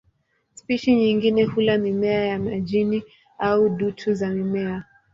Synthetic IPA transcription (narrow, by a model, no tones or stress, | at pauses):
spiʃiɲiŋɡinɛhulamimɛajamaʄini | auɗutʰuzamimɛa